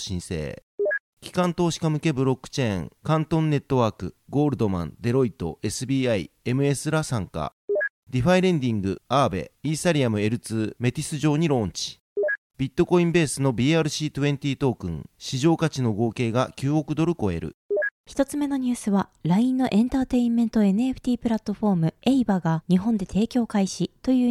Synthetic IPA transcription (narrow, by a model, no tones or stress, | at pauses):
ɕĩɰ̃se̞̰ː | kʲi̥kãnt̪o̞ːɕi̥kamɯ̟ke̞bɯ̟ɾo̞kːɯ̟̥t͡ɕẽ̞̰ːŋkãnt̪õ̞nːe̞t̪ːo̞βaːkɯ̟̰ɡo̞ːɾɯ̟d̪o̞mã̰nd̪e̞ɾo̞it̪o̞̰ʔe̞sɨbʲiːaie̞mɯ̟e̞sɨɾasãŋka̰ | d̪ʲiɸaiɾẽ̞ɲd̪ʲĩŋɡɯ̟̰aːbe̞̰iːsaɾʲiamɯ̟e̞ɾɯ̟t͡sɨːme̞t̪ʲisɨʑo̞ːɲ̟iɾõ̞ːɲ̟t͡ɕi̥ | b̥ʲit̪ːo̞ko̞ĩmbe̞ːsɨno̞bʲiːaːɾɯ̟ɕiːt̪ɯ̟ẽ̞ɲt̪ʲiːt̪o̞ːkɯ̟̰̃ŋɕiʑo̞ːkat͡ɕino̞ɡo̞ːke̞ːɡakʲɨːo̞kɯ̟d̪o̞ɾɯ̟ko̞e̞̰ɾɯ̟̰çi̥t̪o̞t͡sɨme̞no̞ɲ̟ɨːsɨβaɾaĩnːo̞ʔẽ̞nt̪aːt̪e̞ĩmːẽ̞nt̪o̞e̞nɯeɸɯ̟̥t̪ʲiːpɾat̪ːo̞ɸo̞ːmɯ̟e̞ibaɡaɲ̟iɦõ̞nd̪e̞t̪ʰe̞ːkʲo̞ːkaiɕit̪o̞jɯ̟ː